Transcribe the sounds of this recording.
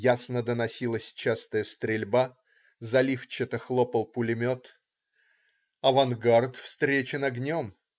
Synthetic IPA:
jasnəd̪ənɐsʲilˠəsʲt͡ɕast̪əjəst̪ɾʲɪlʲba | zɐlʲift͡ɕɪt̪əxlˠopəlˠpʊlʲɪmʲo̞t̪ | ɐvɐnɡart̪fst̪ɾʲet͡ɕɪnɐɡnʲo̞m

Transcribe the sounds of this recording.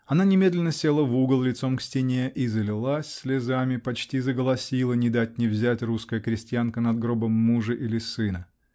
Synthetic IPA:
ɐnanʲɪmʲe̞d̪ʲlʲɪnːəsʲelˠəvuɡəlˠlʲɪt̪so̞mksʲtʲɪnʲeʔizəlʲɪlˠasʲsʲlʲɪzamʲɪpɐt͡ɕtʲizəɡəlˠɐsʲilˠənʲɪd̪atʲnʲɪvzʲætʲruskəjəkɾʲɪsʲtʲɪjankənɐd̪ɡɾo̞bəmːuʐɨʔilʲɪsɨnə

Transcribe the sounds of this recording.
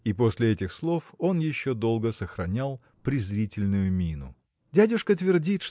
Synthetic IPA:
ipo̞sʲlʲɪɛtʲɪxslˠo̞fo̞njɪɕːo̞d̪o̞lˠɡəsəxɾɐnʲalˠ | pɾʲɪzɾʲitʲɪlʲnʊjʊmʲinʊ̰ | dʲædʲʊʂkət̪vʲɪrdʲit̪ʂ

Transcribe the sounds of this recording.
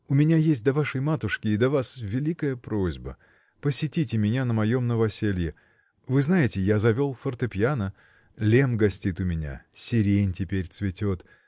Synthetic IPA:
ʊmʲɪnʲajesʲt̚ʲd̪ɐvaʂəjmat̪ʊʂkʲɪːd̪ɐvasvʲɪlʲikəjəpɾozʲbə̰ | pəsʲɪtʲitʲɪmʲɪnʲanəmɐjo̞mnəvɐsʲelʲjɪ | vɨznajɪtʲɪjazɐvʲo̞lˠfərt̪ɨpʲjanə | lʲe̞mɡɐsʲtʲit̪ʊmʲɪnʲa̰sʲɪɾʲenʲtʲɪpʲeɾʲt̪svʲɪtʲo̞t̪

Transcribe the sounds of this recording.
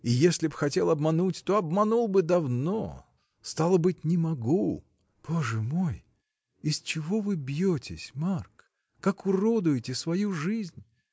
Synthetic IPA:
ɪjesʲlʲɪbxɐtʲe̞lˠɐbmɐnutʲt̪oɐbmɐnulˠbɨd̪ɐvno | st̪alˠəbɨt̚ʲnʲɪmɐɡu | b̥o̞ʐɨmo̞j | ɪst͡ɕɪvo̞vɨbjotʲɪ̰sʲmark | kːakʊrod̪ʊjɪtʲɪsvɐjuʐɨzʲnʲ

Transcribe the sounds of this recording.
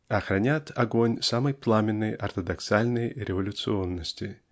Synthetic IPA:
ɐxɾɐnʲat̪ʰɐɡonʲsaməjplˠamʲɪnːɨjʔɐrt̪əd̪ɐksalʲnɨjɾʲɪvəlʲʊt̪sɨo̞nːəsʲtʲɪ

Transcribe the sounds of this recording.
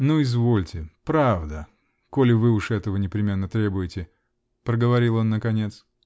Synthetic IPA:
nuɪzvolʲtʲɪpɾavd̪ə | kolʲɪvɨʊʂɛt̪əvənʲɪpɾʲɪmʲe̞nːət̪ɾʲe̞bʊjɪtʲɪ | pɾəɡəvɐɾʲilˠo̞nːəkɐnʲe̞t̪s

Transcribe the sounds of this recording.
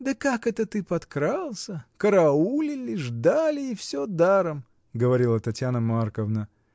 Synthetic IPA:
d̪əkakɛt̪ət̪ɨpɐt̪kɾalˠsʲəkəɾɐulʲɪlʲɪʐd̪alʲɪːfsʲod̪aɾəm | ɡəvɐɾʲilˠət̪ɐtʲjanəmarkəvnə

